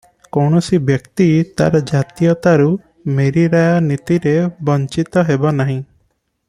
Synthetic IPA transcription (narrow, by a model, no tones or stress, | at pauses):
kɔwɳ̃ɔsibjɔkt̪it̪a̰ɾɔd͡ʒat̪ijɔt̪aɾu | meɾiɾajanit̪iɾebɔɲt͡ʃit̪ɔɦebanaɦĩ